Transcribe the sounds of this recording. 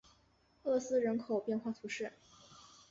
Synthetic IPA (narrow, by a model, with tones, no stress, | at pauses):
ɤ˥˧˩sɹ̩˥ɻə˧˥nkʰo˨˩ʊpjɛ˥˧nxwa˥˩t̪ʰu˧˥ʂɻ̩˥˩